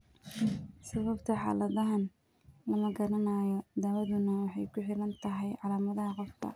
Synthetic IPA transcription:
sɐβɐbt̪ʰɐħɑ̰ːlɐðɐɦɐn | lɐmɐɡɐɾɐnaːjɔd̪ɐwɐðʊnɐwɑħɑjkʰʊħɪɾɐnt̪ʰɐɦɛjʕɑlaːmɐðɐɦɐqɔfkʰɐ̰

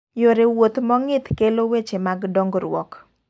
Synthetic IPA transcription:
joɾewot̪mɔŋɪt̪kelowet͡ʃemaɡdɔŋɡɾwɔ̰k

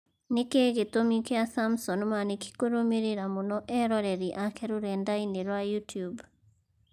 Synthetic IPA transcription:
nikeɣitomikjasamsɔnmanikʰi̥kuɾumiɾiɾamunɔʔɛɾɔɾeɾiʔakeɾuɾɛndainiɾwajutjub

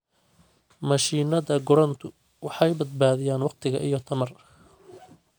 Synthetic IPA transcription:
mɐʃiːnɐðɐɡɔɾɐnt̪ʰʊ | wɑħɑjbɐd̪̚baːðɪjaːnwɑqt̪ʰɪɣɐ̰ʔijɞt̪ʰɐmɐr

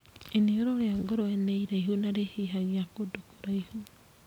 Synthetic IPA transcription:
enioɾoɾeaŋɡoɾoɛneiɾeiɦunaɾehiɦaɣiakodokoɾaihu

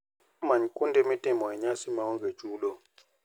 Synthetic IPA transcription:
maɲkʼundemitʼɛmɔɛɲasimawuŋɡʱe̥d͡ʒ̥ʱuːlɔ

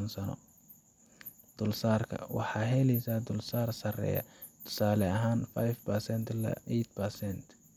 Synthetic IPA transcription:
nsɐnɔ̰ | d̪̥ʊlsaːrkʰɐ̰wɑ̰ħɑːɦɛlɛjsaːd̪ʊlsaːrsɐrɛ̰ːjɐ̰ | t̪ʰʊ̥saːlɛɐɦaːnfajfpɐrsɛnt̪lɐ̰ɛt̪̚pɐrsɛnt̪

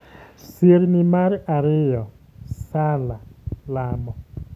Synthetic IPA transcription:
seɾnɪmaɾaɾɪjɔ | salalamɔ

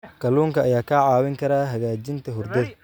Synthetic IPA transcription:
kʰɐluːŋkʰɐʔːjaːkʰɐʕɑːwɪŋkʰɐɾaːɦɐɣaːt͡ʃɪnt̪ʰɐɦʊrd̪ɐð

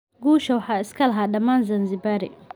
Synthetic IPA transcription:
ɡuːʃɐwħɑːɪskʰɐlɐɦaːɖɐmaːnzɐnzɪbaːɾɪ̰

